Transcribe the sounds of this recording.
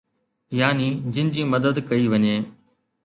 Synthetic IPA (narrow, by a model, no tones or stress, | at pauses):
jaːniːd͡ʑɪnɪd͡ʑiːmɐd̪əd̪kɐiʋɐɲeː